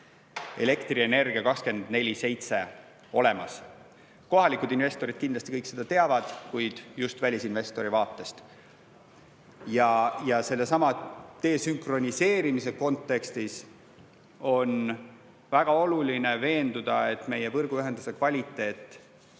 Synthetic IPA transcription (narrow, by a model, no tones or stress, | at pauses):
e̞̰le̞kt̪riene̞rɡ̥iɑkɑkske̞nd̪̥ne̞lʲise̞jt̪se̞ | o̞le̞mɑs | ko̞ɦɑlikˑud̪̥inve̞st̪o̞ɾid̪̥kind̪lɑst̪ikɤjkːse̞d̪̥ɑt̪e̞ɑvɑd̪̥kujd̪̥just̪vælʲisinve̞st̪o̞ɾivɑːt̪ːˑe̞st̪ | jɑjɑse̞lːe̞sɑmɑt̪e̞ːsyŋkro̞nʲise̞ːɾimis̬e̞ko̞nt̪ːˑe̞kst̪is | o̞n | væɡ̥ɑo̞luline̞ve̞ːnd̪̥ud̪̥ɑ̰e̞t̪ˑme̞jevɤrɡ̥uyɦe̞nd̪̥use̞kvɑlʲit̪ːˑe̞ːt̪ˑː